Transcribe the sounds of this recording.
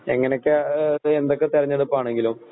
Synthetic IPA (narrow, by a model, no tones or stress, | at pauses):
eŋːɐnekʲːɨend̪okːet̪iɾɐɲːɐɽupːoaːɳe̞ŋɡilum